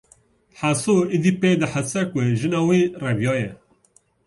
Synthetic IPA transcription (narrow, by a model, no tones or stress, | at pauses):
ħasoid̪ipeːd̪əħasɛkʷeʒɨnɑːwirɛvjɑːjɛ